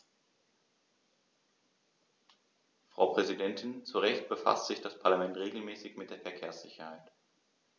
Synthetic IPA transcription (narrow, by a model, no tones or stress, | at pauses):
fʁ̥a̰ʊpʁ̥ɛzidɛntʰɪnt͡suʁɛçt̚b̥əfa̰stz̥ɪçd̥aspʰaɐlamɛntʁeːɡl̩mɛːsɪçmɪt̚d̥eːɐfɛɐkʰeːɐsz̥ɪ̰çɐhaɪt